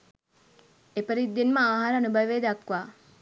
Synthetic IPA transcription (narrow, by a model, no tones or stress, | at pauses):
epəɾid̪ːinməaːɦaɾəanubəjʋeːd̪akʋaː